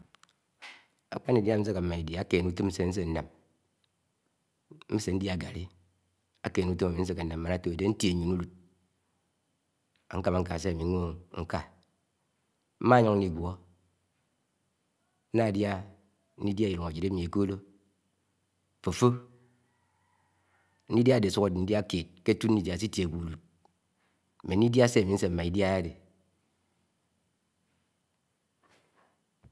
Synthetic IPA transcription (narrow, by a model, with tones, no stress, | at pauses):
a̰˨k͡pa˦ni˨dja˦n̩˦s̬e˦ka˨m̩˨ma˨i˨da˨a˦ke˨nu˦tɨ˦m̩˦se˦n̩˦s̬e˦n̩˦na˨m | m̩˦se˨n̩˦dja˨ɡa̰˨li˦ | a˦keː˨nu˦to˦ma˨mi˨n̩˦s̬e˦ke˨n̩˨a˨mː˨a˨na˦to˨e˨de˦n̩˦tje˨ɲu˨nu˦lu˨t̚ | a̰˨ŋ̩˦ka˦ma˨ŋ̩˦ka˨s̬e˦a˨mi˨˦ŋʷo˦ŋ̩˦ka˦ | m̩˦ma˦ɲɔ˦ŋn̩˦i˨ɡʷwɔ˦ | n̩˦na˦˨dja˦ | n̩˦i˦dja˦i˨ɾu˨ŋa˨d͡ʒi˨ɾe˦mi˨e˨ko˦lo˦˨ | fo˨fo˦ | n̩˦i˦da˦˨de˨su˦ka˨de˨ni˦dja˦ke˨t̚ke˦tu˦n̩˦i˦dja˨si˦tje˨ɡʷu˨du˨t̚ | me˨n˦i˦da˦se˦˨mi˨˦n̩˦se˨m̩˦ma˨i˦dja˦ja˦de˨